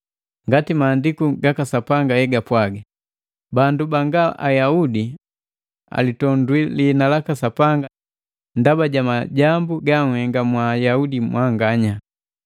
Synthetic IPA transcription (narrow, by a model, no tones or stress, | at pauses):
ŋɡatimaːndikuɡakasapaŋɡahɛɡapwaɡa | bandubaŋɡaʔa̰jaudi | a̰litɔndwilinalakasapaŋɡa | ndabaɟamaɟambuɡaŋhɛŋɡamwajaudimwʔaŋɡaɲa